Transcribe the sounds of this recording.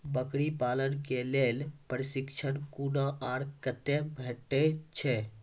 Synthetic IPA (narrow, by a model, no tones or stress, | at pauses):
bəkɽipaːlənkelelpəɾɪsɪkt͡ʃʰənkunaʔaːɽkət̪ebʱeʈːet͡ʃʰɛ